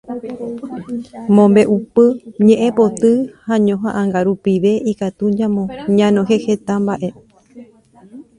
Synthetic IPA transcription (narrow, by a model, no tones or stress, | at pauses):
mõmbe̞ʔupɨɲẽʔẽpot̪ɨhaɲõɦãʔãŋɡaɾupiʋe̞ikat̪ud͡ʒãmõɲãnõɦehet̪ambaʔe̞